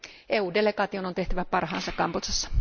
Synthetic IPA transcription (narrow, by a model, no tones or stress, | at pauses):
ʔeːuːde̞le̞ɡɑːt̪iono̞nt̪e̞ht̪æʋæpɑrhɑ̰ːnsɑkkɑmpot̪sɑsːɑ̥